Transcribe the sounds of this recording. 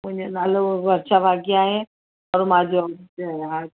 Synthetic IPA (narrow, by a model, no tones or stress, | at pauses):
mʊ̃ɦɪ̃ɲd͡ʑonaːloʋɐɾʃabʱaːɡiaːɦe | ɔːɾmãd͡ʑoɦa